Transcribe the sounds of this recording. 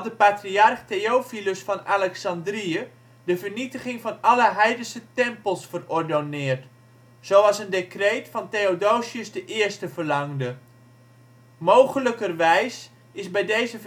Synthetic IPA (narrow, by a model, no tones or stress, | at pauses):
dəpatriɑrχtejowfiləsfɑnalɛksɑndriə | dəvərnitəχɪŋfɑnɑləɦɛjdənsətɛmpəlˠsfərɔɹdonɪːərt | z̥owɑlˠsəndekreːtfɑnteodoːsiəsdəʔɪəɹstəvərlɑŋdə | mowχələkərʋɛjs | ɪzbɛjdejzə